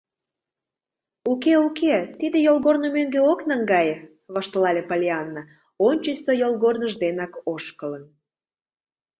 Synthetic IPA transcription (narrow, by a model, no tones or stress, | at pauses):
ukeuket̪id̪ejolˠɣornomøŋɡeoknɑŋɡɑjə | βɑʃt̪əlɑlʲepalʲiɑnːa | onʲt͡ɕəsojolɣornəʒd̪enɑkoʃkələn